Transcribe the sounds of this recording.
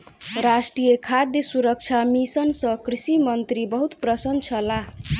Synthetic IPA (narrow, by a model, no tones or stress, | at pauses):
ɾasʈrijekʰad̪jesuɾʌk̚t͡ʃʰamisʌnsʌkrisimʌnt̪ɾibʌɦut̪prʌsʌnt͡sʰʌla